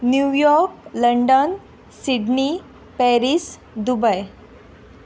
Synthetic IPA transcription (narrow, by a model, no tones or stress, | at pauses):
njujɔɾk̚ləɳɖən | siɖni | pɛɾis | d̪ubəj